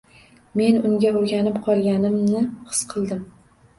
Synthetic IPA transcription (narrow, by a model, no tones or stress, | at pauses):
me̞nʊŋɡʲaoɾɡʲanɪpqʰɒlˠɡʲanɪmnɪχɨ̥sqʰɨlˠd̪ɪm